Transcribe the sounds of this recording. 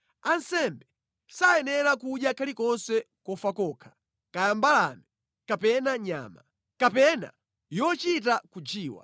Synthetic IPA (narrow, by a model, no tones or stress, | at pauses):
ansɛmbɛ | sajɛnɛɾakuɗjakʰalikɔnsɛ | kɔfakɔːkʰḁ | kajambala̰ni | kapɛnaɲa̰ːma | kapɛna̰ | jɔt͡ʃit̬akud͡ʒiːwa̰